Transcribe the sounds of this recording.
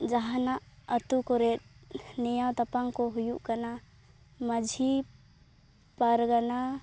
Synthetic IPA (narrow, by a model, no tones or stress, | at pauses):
d͡ʒaɦanaʔət̪ukɔɾɛt̪̚nijawt̪apaŋkɔɦujuʔkana | məd͡ʒʱi | paɾɡana